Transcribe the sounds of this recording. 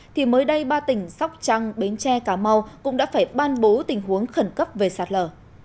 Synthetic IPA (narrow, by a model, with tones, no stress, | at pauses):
t̪ʰi˨˩məː˨˦jɗə˧jɓaː˧t̪ï˧˩ŋ̟sa˦˥wk͡p̚t͡ɕa˧ŋɓe˨˦nt͡ɕɛ˧kaː˧˩ma˧wkʊ̰˧˥ŋ͡mɗa̰ː˧˥faː˧˩jɓaː˧nɓo˨˦t̪ï˨˩ŋ̟ɦu˨˦əŋxə˧˩nkə˦˥p̚ve˨˩saː˨˩t̚ləː˧˩